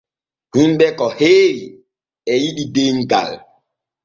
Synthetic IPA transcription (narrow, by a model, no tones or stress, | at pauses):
hunbɛkɔheːɾi | ɛjiɗideŋɡa̰l